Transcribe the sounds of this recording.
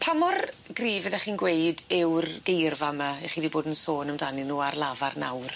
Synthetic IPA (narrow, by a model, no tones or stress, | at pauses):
pʰamɔrɡ̥riːvɛðɛχiːnɡwejdɪwrɡejrvamaeχiːdiboːdn̩soːnəmdanɪnuːarlˠavarna̰wr